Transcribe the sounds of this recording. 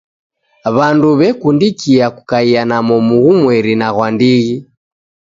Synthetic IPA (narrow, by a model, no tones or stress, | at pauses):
βanduβɛkundikiaku̥kaianamɔmuɣumwɛɾinaɣwandiɣi